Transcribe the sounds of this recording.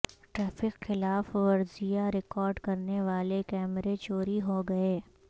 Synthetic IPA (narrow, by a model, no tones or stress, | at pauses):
ʈɾaːfɪqxɪlaːfʋɐɾzijaɾɪkɔːɾɖkɐɾneʋaːlekɛːmɾet͡ʃoːɾiɦoɡɐeː